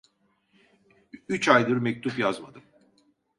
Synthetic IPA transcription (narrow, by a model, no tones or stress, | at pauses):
yt͡ʃajlˠɯɾmɛc̚t̪ʰupjazmad̪ɯm